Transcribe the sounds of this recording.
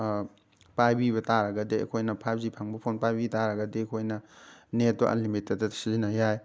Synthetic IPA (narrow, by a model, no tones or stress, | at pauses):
pajbiβɐtaɾɐɡɐdeɐ̰kʰojnɐpʰajb̚zipʰaŋbɐpʰonpajbitaɾɐɡɐdeɐkʰojnɐnet̚bɐ̰ʔɐ̰limitːɐdɐsizinɐjaj